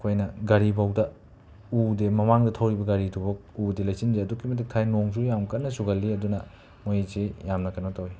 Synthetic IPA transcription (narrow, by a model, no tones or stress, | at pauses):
kʰojnɐɡɐɾibɐwdɐ | udemɐmaŋdɐtʰɐwɾibɐɡɐɾitʰubɐk̚udelɐjsinzeɐdukːimɐt̬ʰik̚tʰajnoŋs̬ujamkɐtnːɐsuɡɐlːiɐdunɐ | mojizejamnɐkʰɐnotowi